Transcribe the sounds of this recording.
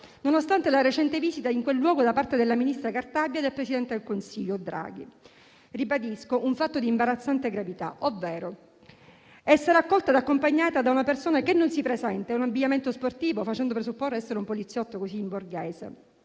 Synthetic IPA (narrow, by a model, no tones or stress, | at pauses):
nonost̪ant̪elaret͡ʃɛnt̪eviːzit̪aiŋkwelːwɔːɡod̪apart̪ed̪elːaminist̪ɾakart̪abjad̪elpɾesid̪ɛnt̪ed̪elkonsiʎːod̪ɾa̰ːɡ̟ḭ | ribad̪iskoʔuɱfat̪ːod̪imbaɾat̪sːant̪eɡɾavit̪a̰ʔovːɛːɾo | ɛsːeɾeakːɔlt̪ad̪akːompaɲːaːt̪ad̪aunapersoːnakenːonsipɾezɛnt̪eɛunabːiɲːament̪osport̪iːvofat͡ʃɛnd̪opɾesupːorːoɛsːeɾeumpolit̪sːjɔt̪ːokosiːmborɡɛːsḛ